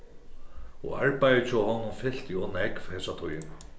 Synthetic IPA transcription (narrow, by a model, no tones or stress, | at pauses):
ɔ̰aɹpajðɪt͡ɕʰɔhɔnːʊmfɪl̥t̪iɔnɛkvhɛsat̪ʰɔjɪna